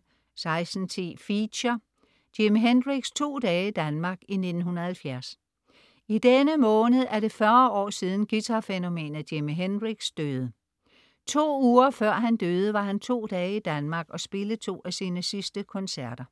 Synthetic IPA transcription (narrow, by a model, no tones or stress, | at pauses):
sɑ̈ɪsn̩t͡sʰe̝̰ːfiɕɐ | d̥emiɦenʁiɡ̥st͡sʰo̝̰ːd̥ɛːid̥ænmɑ̈ɡ̥ine̝d̥n̩hunɐhælfjæɐs | id̥enəmɔ̽ːnð̩ˠæɐd̥e̝fɶɐɒ̰ːsiːð̞ˠn̩ɡ̥it͡sʰɑ̈feno̝me̝̰ːnð̩ˠd̥emiɦenʁiɡ̥sd̥øːðˠə | t͡sʰo̝̰ːuːɐfɶɐ̰ɦænd̥øːð̞ˠəʋɑ̈ɦænt͡sʰo̝̰ːd̥ɛːid̥ænmɑ̈ɡ̥ɒ̽sb̥e̝ləð̩t͡sʰo̝̰ːæsiːnəsisd̥əkʰɒ̽nsæɐ̰d̥ɐ